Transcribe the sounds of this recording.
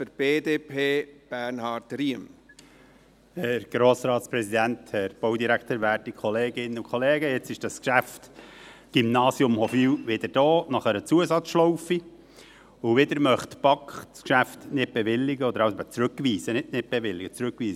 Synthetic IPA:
fɨɾb̥eːdeːpʰeːb̥æɾnhɑɾtriəm | hɛɾɡ̥ɾoːsɾɑːt̪spɾɛsid̪ænt̪hɛɾb̥ɔwd̪iɾækt̪əːɾʋæːɾtikʰχɔleːɡɪnːəʊkʰχɔleːɡəɪt͡sɪʃd̥ɑskʃæftɡ̥imnɑːsjʊmhɔfiwʋɪd̪əɾd̥ɔːnɑχəɾət͡suəsɑt͡sʃlɔwfi | ʊʋɪd̪əɾmœχt̪pɑkχskʃæft̪nɪt̚b̥ɛʋɪlːɪɡəɔd̪əɾɑwsɛbət͡sɾʉkʋiːsənɪdnɪt̚b̥ɛʋɪlːɪɡət͡sɾʉkʋiːsə

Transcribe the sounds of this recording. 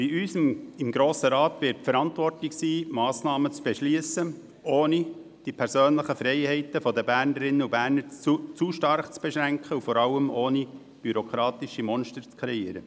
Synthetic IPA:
b̥iʔyːsmɪmɡɾoːsəɾɑːt̪ʋɪɾtfəɾɑntvɔrtlɪksiːmɑːsnɑːmət͡sb̥ɛʃliəsə | ʔoːni | d̥ipʰɛɾsøːnləχəfɾɛɪhɛɪtəfɔd̪əbæːɾnəɾɪnːəubæːɾnəɾt͡sut͡suʃtɑɾχt͡sb̥ɛʃɾæŋkχəufɔɾɑlːəmoːni | b̥yɾokʰɾɑːt̪ɪʃimɔnʃtəɾt͡skʰɾɛiːəɾə

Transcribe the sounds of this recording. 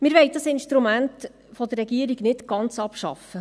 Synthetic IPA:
mɪɾʋɛɪdɑsɪnʃtɾumænt | fɔd̪ərːɛɡiəɾiɡnɪtɡ̥ɑnt͡sɑpʃɑ̰fə

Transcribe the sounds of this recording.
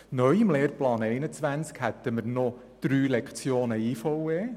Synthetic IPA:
nœʏɪmleːɾplɑːnɛɪnət͡sʋænt͡skhɛt̪əməɾnɔ | d̪̥ɾyːlɛkt͡sjoːnəiːfɔwe

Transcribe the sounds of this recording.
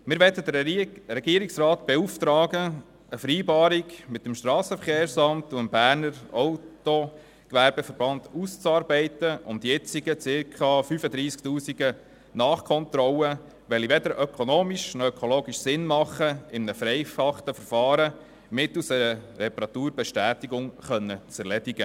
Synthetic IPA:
mɪɾʋɛtəd̪əɛɡ̥iəɾɪksrɑːt̪b̥ɛuft̪ɾɑːɡə | əfəɾiːbɑːɾiɡmɪt̪ːəmʃtɾɑːsəfəɾχeːɾsɑnt̪uɪmbæːɾnəɾɔʊto | kʋæɾb̥ɛfəɾb̥ɑnd̪̥ust͡sɑːɾbɛɪtəʊmd̪ijɛt͡siɡət͡sɪɾkʰχɑfyfəd̪ɾiːskt̪uːsiɡə | nɑːχkʰɔnt̪ɾɔlə | ʋɛliʋɛd̪əɾʔœkʰonoːmiʃnɔœkʰoloːɡiʃsɪnmɑχːəɪmnəfɾɛɪfɑχt̪əfəɾfɑːɾə | mɪt̪lusɛɾəɾɛpɑɾɑt̪uːɾbɛʃtæːt̪iɡʊŋχœnːət͡sɛɾlɛdiɡ̥ə

